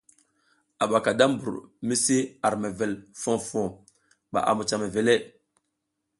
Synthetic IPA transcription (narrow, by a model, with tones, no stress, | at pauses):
a˨ɓa˨ka˨da˦m˦bṵ˨ɾmi˦si˦a˨ɾme˨ve˨lfo˦fo˨ | ɓa̰˨ʔa̰˨mu˨t͡ʃa˨me˨ve˨le˦